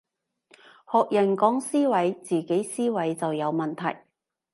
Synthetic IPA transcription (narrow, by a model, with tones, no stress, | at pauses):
hɔː˨k̚jɐ˨˩nkɔː˨˥ŋsiː˥wɐ˨˥jt͡siː˨˩ke˨˥jsiː˥wɐ˨˥jt͡sɐ˨wjɐ˨˧wmɐ˨nt̪ʰɐ˨˩j